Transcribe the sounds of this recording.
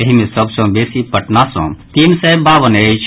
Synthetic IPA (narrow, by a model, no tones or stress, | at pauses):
eɦimẽsəbsɔ̃beːsipəʈnasɔ̰̃t̪iːnsebʱaːʋənet͡ʃʰ